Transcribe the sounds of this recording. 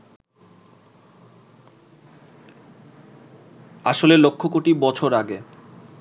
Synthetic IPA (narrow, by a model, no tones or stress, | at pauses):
aʃolelokʰːok̬oʈibɔt͡ɕʰoɾaɡe